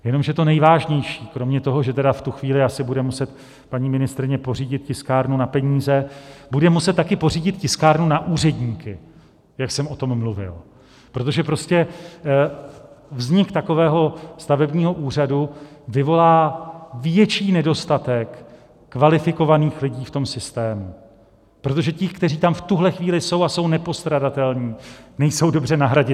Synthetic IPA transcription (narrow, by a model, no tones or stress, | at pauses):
jɛno̞mʒɛt̪o̞nɛjvaːʒɲɛjʃiːkɾo̞mɲɛt̪o̞ɦo̞ʒɛt̪ɛdaft̪uxviːlɪasɪbudɛmusɛt̪ | paɲiːmɪnɪst̪ɾɪɲɛpo̞riːɟɪt̪̚cɪskaːɾnunapɛɲiːzɛbudɛmusɛt̪̚tːakɪpo̞riːɟɪt̪cɪskaːɾnunaʔuːrɛdɲiːkɪ | jaksɛmʔo̞t̪o̞mːluvɪ̰l | pɾo̞t̪̬o̞ʒɛpɾo̞scɛ | vzɲɪkt̪ako̞vɛːɦo̞st̪avɛbɲiːɦo̞ʔuːr̝aduvɪvo̞laːvjɛt͡ʃiːnɛdo̞st̪at̪ɛkː | valɪfɪko̞vaniːxlɪɟiːft̪o̞msɪst̪ɛːmu | pɾo̞t̪̬oʒɛcɪxkt̪ɛr̝iːt̪amft̪uɦlɛxviːlɪso̞waso̞wnɛpo̞st̪ɾadat̪ɛlɲiːnɛjso̞wdo̞br̝ɛnaɦɾaɟɪ